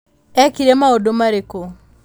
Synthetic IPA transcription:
ɛkiɾemaodomaɾeko

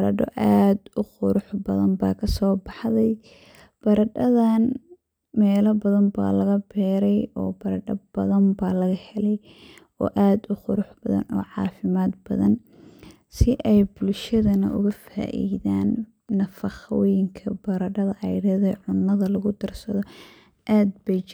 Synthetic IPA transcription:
bɐɾɐɖɔ̰ʔaːd̪ʊχʊɾʊħbɐðɐmbaːkʰɐsɔːbɑħðɛj | b̥ɐɾɐɖɐðan | mɛːlɐbɐðɐmba̰ːlɐɣɐbɛːɾɛjɔːbɐɾɐɖɐbɐðɐmbaːlɐɣɐhɛlɛj | ɔ̰ːʔaːd̪ʊχʊɾʊħbɐðɐ̰nɔ̰ːʕɑ̰ːfɪmaːd̪bɐ̰ðɐn | sɪʔɛjbʊlʃɐðɐnɐ̰ʔʊ̰ɣɐfa̰ːʔḭːðaːnː | ɐfɐχwjɪŋkʰɐbɐɾɐɖɐðɐʔɑjɽɐðɛʕʊnːɐðɐlɐɣʊd̪ɐrsɐðɔ | ʔaːd̪̚bɛjt͡ʃ

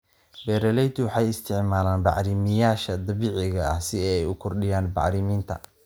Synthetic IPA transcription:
bɛːɾɛlɛjt̪ʰʊwɑħɑjɪst̪ʰɪʕmaːlaːnbɑ̰ʕɾɪmɪjaːʃɐd̪ɐβiːʕɪɣɐɐ̰hsɪɛjʊkʰɔrɖɪjaːnbɑ̰ʕɾɪmiːnt̪ʰɐ̰

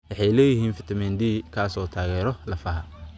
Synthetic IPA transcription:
wɑħɑjlɛːjɪɦiːnfɪt̪ʰɐmɛnd̪iːkʰaːsɔːt̪ʰaːɣɛːɾɔlɐfɐɦɐ

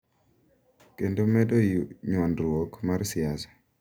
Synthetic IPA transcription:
kendomɛdoɲwɔndɾwokmarsɪasɛ̥

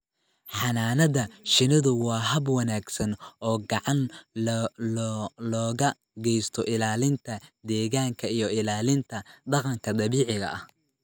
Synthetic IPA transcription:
ħɑnaːnɐðɐʃɪnɪðʊwɑːɦɐbwɑnaːɡsɐnɔːɡɑʕɑn | lɔːɣɐ | ɡɛjst̪ʰɔʔɪlaːlɪnt̪ʰɐd̪ɛːɣaːŋkʰɐijɔɪlaːlɪnt̪ʰɐd̪ɑqɑŋkʰɐd̪ɑβiːʕɪɣɐ̰ʔɐh

